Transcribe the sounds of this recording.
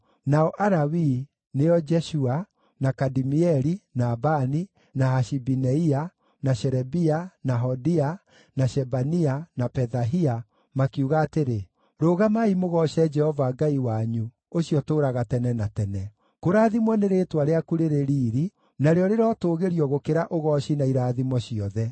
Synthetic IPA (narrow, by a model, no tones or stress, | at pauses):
naɔʔaɾawi | neɔd͡ʒɛʃua | nakadimiɛɾinaːbani | nahaʃibinɛia | naɕɛɾɛbianaɦɔdia | naʃɛbanianapɛðaɦia | makiuɣaːteɾe | ɾoːɣamaimoɣɔʃɛd͡ʒɛhɔvaɡaiwaɲu | oɕiɔtoːɾaɣatɛnɛnatɛnɛ | koɾaːðimwɔneɾetwaɾeakuɾeɾeɾiːɾi | naɾeɔɾeɾɔːtoːɣeɾiɔɣokeɾaʔoɣɔɕinaiɾaːðimwɔɕiɔðɛ